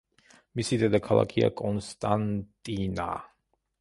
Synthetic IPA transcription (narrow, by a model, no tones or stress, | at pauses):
misid̪ɛd̪akʰalˠa̰kʰia̰kʼɔnst̪ʼant̪ʼina̰